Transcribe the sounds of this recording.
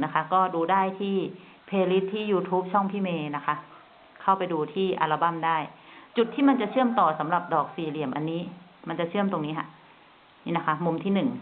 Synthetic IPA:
na˦˥kʰa˦˥kɔː˥˩duː˧daː˥˩jt̪ʰiː˥˩ | pʰeː˧li˦˥t̪ʰːiː˥˩juː˧t̪ʰuː˦˥p̚t͡ɕʰɔ˥˩ŋpʰiː˥˩meː˧na˦˥kʰa˦˥ | kʰa˥˩wpa˧jduː˧t̪ʰiː˥˩ʔa̰˧la˧ba˥˩mdaː˥˩jt͡ɕu˨˩t̪ʰːiː˥˩ma˧nt͡ɕa˨˩t͡ɕʰɯ˥˩əmt̪ɔː˨˩sa˩˦mɾa˨˩p̚dɔː˨˩k̚siː˨˩li˨˩əmʔa˧nːiː˦˥ma˧nt͡ɕa˨˩t͡ɕʰɯ˥˩əmt̪o˧ŋniː˦˥kʰa̰˧˩ʔ | na˦˥kʰa˦˥mu˧mt̪ʰiː˥˩nɯ˨˩ŋ

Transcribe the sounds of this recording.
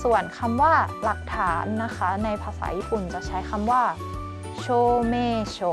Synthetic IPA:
su˨˩ənkʰa˧mwaː˥˩la˨˩k̚t̪ʰaː˩˦nːa˦˥kʰa˦˥na˧jpʰaː˧sa̰ː˩˦jiː˦˥˩pʰu˨˩nt͡ɕa˨˩t͡ɕʰa˦˥jkʰa˧mwaː˥˩ | t͡ɕʰoː˧˥˩meː˥˩t͡ɕʰo˧˩

